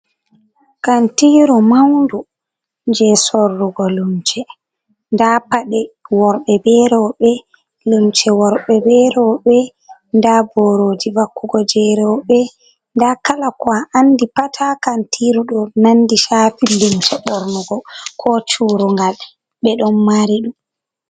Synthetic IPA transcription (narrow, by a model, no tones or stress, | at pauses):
kantiɾumawndu | ɲd͡ʒɛsɔrːuɡɔlumt͡ʃɛ | ndapaɗɛwɔɾɓɛbɛɾɔɓɛ | lumt͡ʃɛwɔɾɓɛbɛɾɔɓɛ | ndabɔɾoːd͡ʒivakːuɡɔd͡ʒɛɾɛɓɛ | ndakalakɔaanːdipatʰakantʰiːɾuɗɔnandiʃaːfilːumt͡ʃɛɓɔɾnuɡɔkʰɔt͡ʃuːɾuŋɡal | ɓɛɗɔnːaɾiɗum